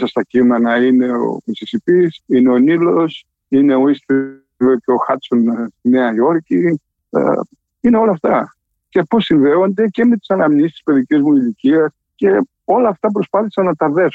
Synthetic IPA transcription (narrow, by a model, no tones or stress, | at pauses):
sɐst̪ɐcimenɐine̞o̞̰misisipisine̞o̞nilo̞s | ine̞o̞ist̪i | veceo̞xɐt̪so̞nst̪ine̞ɐjo̞ɾcḭ | ine̞o̞lɐːft̪ɐ | ce̞po̞siɱve̞o̞nd̪e̞ce̞me̞t̪i̥sɐnɐmɲist̪i̥spe̞ðicizmuiliciɐs | ce̞ | o̞lɐːft̪ɐp̬ɾo̞spɐθisɐnːɐt̪ɐðe̞s